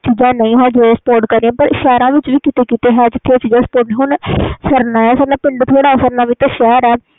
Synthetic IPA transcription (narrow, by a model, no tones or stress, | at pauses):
t͡ʃiːzãːnəĩːɦɛ̃ːd͡ʒeːspoːɾʈkəɾeẽːpəɾɪʃaːɾãːʋɪt͡ʃʋiːkɪt̪eːkiːt̪eːɦɛːd͡ʒɪt̪ʰːeaːt͡ʃiːd͡ʒãːsə̥poːɾʈːɦʊɳsəɾnaːɛːsəɾnãːpɪɳɖt̪ʰoːɽaːsəɾnaːʋiːt̪ãːʃɛːɾɛː